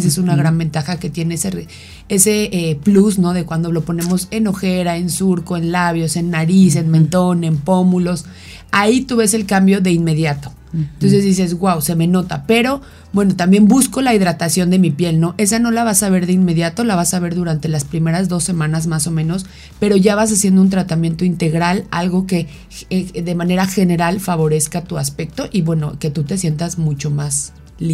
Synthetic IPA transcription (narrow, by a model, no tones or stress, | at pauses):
s̬esunaɣɾanbe̞nt̪axake̞t̪je̞ne̞sere | e̞se̞eplusno̞ðe̞kwand̪o̞lo̞po̞nẽ̞mo̞se̞no̞xe̞ɾae̞nsuɾko̞e̞nlaβjo̞se̞nːaɾise̞nmẽnt̪o̞ne̞mpo̞mulo̞s | ait̪uβe̞se̞lkambjo̞ðe̞inme̞ðjat̪o̞̥ | ent̪o̞ns̬e̞zðis̬esɣwawse̞me̞no̞t̪ape̞ɾo̞ | bwe̞no̞t̪ambje̞mbusko̞laiðɾat̪asjo̞nd̪e̞mipje̞lno̞ʔe̞s̬ano̞laβ̞asaβ̞e̞ɾðeinme̞ðjat̪o̞laβasaβ̞e̞ɾðuɾant̪e̞laspɾime̞ɾazðo̞sːe̞mãnazmaso̞mẽ̞no̞s | pe̞ɾo̞ʝaβ̞as̬asjend̪ount̪ɾat̪amjẽ̞nt̪o̞int̪e̞ɣɾala̰lɣo̞ke̞ | eðe̞mãne̞ɾaxe̞ne̞ɾalfaβo̞ɾe̞skat̪uaspe̞k̚t̪o̞ʔiβwe̞no̞ke̞t̪ut̪e̞sje̞nt̪azmut͡ʃo̞mas | li